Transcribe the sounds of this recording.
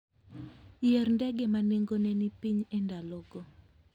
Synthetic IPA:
jerndɛɡɛmaneŋɡonɛnipiɲɛndaloɡo

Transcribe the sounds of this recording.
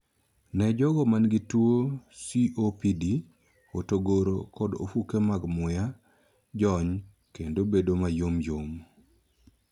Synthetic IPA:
nɛd͡ʒɔɡɔmanɡɪtwosiʔopidi | otoɡoɾokɔdo̰fukemaɡmʊja | d͡ʒɔɲ | kendobedomajomjom

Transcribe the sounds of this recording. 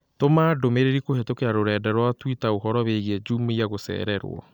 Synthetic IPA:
tomaːdomeɾeɾikohetokeaɾoɾɛːdɛɾwatwitaoɦɔɾɔβeɣɛd͡ʒuːmeiaɣosɛ̰ːɾɛɾw̰ɔ̰

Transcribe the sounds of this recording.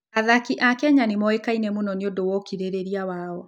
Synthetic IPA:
aðakiʔakɛɲanemɔekainɛmonɔneondowɔkiɾeɾeɾiawaːɔ

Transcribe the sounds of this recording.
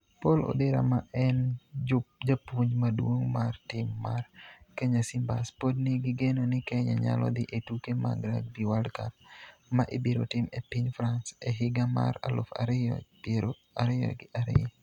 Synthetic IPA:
polo̰deɾa̰maʔɛnd͡ʒʊd͡ʒapuɲmadwoŋmartɪmːarkɛɲasɪmbaspodniɡɪɡenonɪkɛɲaɲa̰lɔ̰d̪ɪʔetukema̰ɡɾaɡ̚biwaldkat̚maʔebiɾo̰tɪmepiɲfɾansɛɦɪɡama̰ɾalo̰fa̰ɾɔ | ɾo | aɾɪjɔ̰ɡɪʔaɾɪ̰

